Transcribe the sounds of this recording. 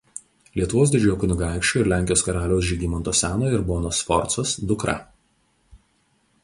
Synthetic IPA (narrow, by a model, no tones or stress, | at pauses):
lʲiɛt̪ʊʋoːs̬d̪ʲɪd͡ʒʲʊjɔkʊnʲʊɡɑˑɪkʃʲt͡ʃʲuːɪɾlʲæːˑŋʲkʲɪjoːskɐɾɑːlʲoʊs̬ʒʲiːɡʲiːmɐnt̪oːsʲæːnoːɪɾboːnoːsfɔɾt̪sɔsd̪ʊkɾɐ̰